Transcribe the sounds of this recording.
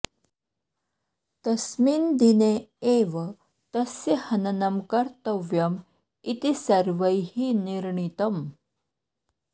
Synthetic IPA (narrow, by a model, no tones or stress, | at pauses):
t̪ɐsmiːnd̪ineeʋə | t̪ɐsehɐnɐnɐmkɐɾt̪əʋjɐm | it̪isɐɾʋəjhiniɾɳit̪ɐm